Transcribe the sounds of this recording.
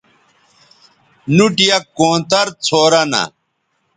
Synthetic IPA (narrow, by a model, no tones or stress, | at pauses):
nuʈijɐkːoːt̪ɐɾt͡sʰoːɾɐnɐ̰